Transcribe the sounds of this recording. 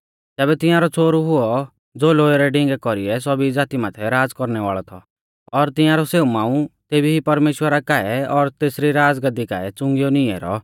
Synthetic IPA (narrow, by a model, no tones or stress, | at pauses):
t̪ɛːbɛt̪ɪ̃jãːɾɔt͡sʰoːɾuɦʊɔ | d͡zoːloːeɾɛɖɪ̃ŋɡɛkɔɾiɛs̬ɔbid͡zaːt̪imaːt̪ʰɛɾaːd͡zkɔɾnɛʋa̰ːɭɔt̪ʰɔ̰ | ɔɾt̪ɪ̃jãːɾɔseːumaːũt̪eːbiɦipɐɾmeːʃwəɾakaːɛɔɾt̪eːsɾiɾaːd͡zɡɐd̪ika̰ːɛt͡sʊ̃ŋɡjɔnɪɛ̰ɾɔ̰